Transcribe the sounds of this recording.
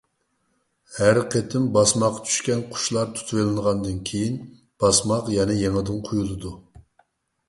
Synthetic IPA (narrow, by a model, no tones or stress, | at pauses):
hæɾqʰet̪ʰɪmbɑsmɑqːɑ̥t͡ʃ̪ʰy̥ʃkʲɛnqʰʊ̥ʃlˠɑɾt̪ʰu̥t̪ʰuwelˠɨnʁɑnd̪ɨnkʲʰejin | b̥ɑsmɑqjɛnɛjeŋɨd̪ɨnqʰujulˠɨd̪u